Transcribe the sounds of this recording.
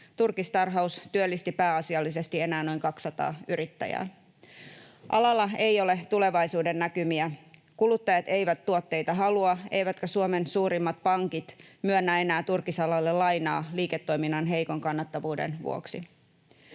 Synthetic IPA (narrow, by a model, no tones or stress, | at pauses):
t̪urkist̪ɑrɦɑust̪yølːist̪ipæːɑsiɑlːis̬e̞st̪ie̞næːno̞jŋkɑksːɑt̪ɑ̰ːyɾit̪ːæ̰jæ̰ː | ʔɑ̰lɑlːɑe̞jo̞let̪ule̞ʋɑjsuːde̞nːækymiæ | kulut̪ːɑjɑt̪e̞jʋæt̪ːuot̪ːe̞jt̪ɑɦɑluɑe̞̰jʋæt̪kæsuome̞nsuːɾimːɑt̪̚pɑŋkit̪myønːæe̞næːt̪urkisɑlɑlːelɑjnɑːliːket̪ːo̞jminːɑnɦe̞jko̞ŋkɑnːɑt̪ːɑʋuːdḛnʋṵo̰ksi